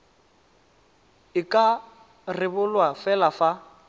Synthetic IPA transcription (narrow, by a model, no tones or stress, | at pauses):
ɪkʼa | rɪbʊlwafɛlafa